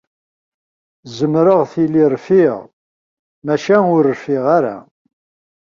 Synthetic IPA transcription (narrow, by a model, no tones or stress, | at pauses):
zəmɾəʁθilːiɾˤfiʁ | mæʃænʊɾəfɪʁaɾa̰